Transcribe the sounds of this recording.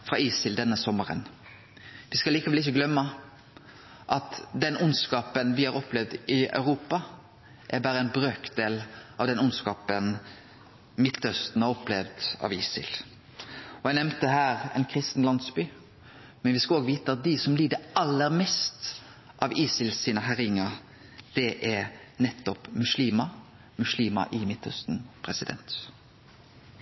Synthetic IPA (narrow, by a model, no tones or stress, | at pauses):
fɾʁɑiːsɪld̪ɛnːəsɔməɾə̰n | ʋɪskɑliːkəʋɛlɪçəɡlœmːə | ʔɑt̪d̪ɛnʊnskɑːpənʋɪhɑɾɔplɛʋd̪ɪœ̰ʉɾuːpɑ | ʔæbæːɾəɛnbɾøːkd̪eːlʔɑʋd̪ɛnʊnskɑːpən | mɪt̪ʰːœst̪n̩ɑɾɔplɛʋd̪ɑ̰ʋiːsɪ̰l | ɔænɛmt̪əɦæːʁɛ̰nkʰɾɪst̪n̩lɑnsbyː | mɛnʋɪskɑoːɡəʋiːt̪əɑt̪̚d̪ɪsɔmliːd̪əʔɑlːəɾmɛst̪ | ʔɑʋiːsɪlsiːnəɦæɾɪŋːəɾ | d̪̥ɛʔæɾnɛt̪ːɔpmʉʃliːmɑ | mʉʃliːmɑ̰ʔɪmɪt̪ʰːœ̰st̪n̩pʰʁɛsɪd̪ɛ̰nt̪